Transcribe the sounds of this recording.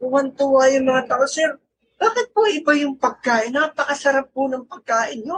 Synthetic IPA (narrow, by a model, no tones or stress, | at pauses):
ʊwɐnt̪uwajʊŋmɐŋat̪aːʔosɛɾ | baːkɪt̪̚pʊʔɪbajʊŋpɐɡ̚kaːʔɪnːaːpɐkɐsɐɾap̚ːʊnɐŋpɐɡ̚kaːʔɪnjo